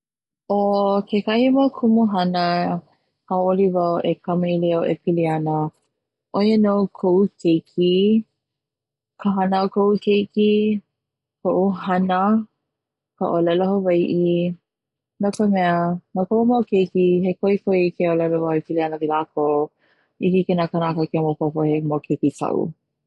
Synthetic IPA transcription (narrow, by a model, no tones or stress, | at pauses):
okʰekɐhimokʰumuɦɐnə | kawʔolivawʔekɐmɐiliaʔḛpʰiliɐnə | ʔojənowkʰoʔukʰejkʰi | kʰəɦɐnakoʔukʰejki | koʔuɦɐnə | kə̰ʔolɛloɦovɐjʔi | nokəmɛənakoʔumokejkiɦekoikojkeolɛlovawepiliɐnəvilako | ihikenakənakəkemopopohemokʰekitʰɐ̰ʔṵ